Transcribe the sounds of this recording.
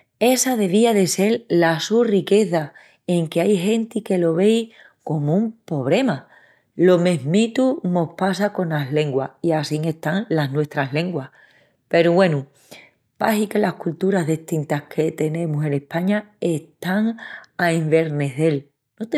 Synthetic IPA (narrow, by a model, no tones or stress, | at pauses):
e̞sað̞e̞β̞iaðe̞se̞llasurike̞θa | e̞ŋkeajɦe̞nt̪ike̞lo̞βe̞j | ko̞moumpo̞β̞ɾe̞ma | lo̞me̞ɦmit̪uno̞hpasako̞naɦle̞ŋɡwaiasiŋe̞ht̪aŋlaɦnwest̪ɾaɦle̞ŋɡwah | pe̞ɾuβwe̞nu | pahikelahkult̪uɾazðiht̪int̪ahkʰe̞t̪e̞nẽ̞muse̞ne̞hpaɲae̞ht̪aŋaeɱbe̞ɾne̞θe̞l | not̪e